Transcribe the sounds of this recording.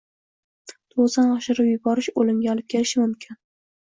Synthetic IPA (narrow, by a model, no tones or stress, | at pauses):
t̪ʰozanɒʃɪɾɪbjʊbɒɾɪʃolɪmɡʲaɒlˠɪp̚kʲʰe̞lɪʃɪmʊmkʲʰɪn